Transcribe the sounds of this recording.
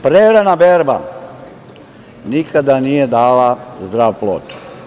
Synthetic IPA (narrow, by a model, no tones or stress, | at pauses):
pɾeɾanabeɾba̰ | nikad̪anijed̪aːlazd̪ɾaːʋploːt̪u̥